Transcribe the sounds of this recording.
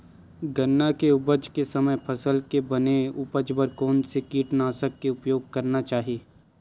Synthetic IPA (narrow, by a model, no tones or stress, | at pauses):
ɡɐnːakeʊbəd͡ʒkesɐməjpʰɐsəlkebɐneʊbəd͡ʒbəɾkɔːnsekiːʈnaːsəkːeʊpjoːɡ̚kɐɾnat͡ʃaːɦieː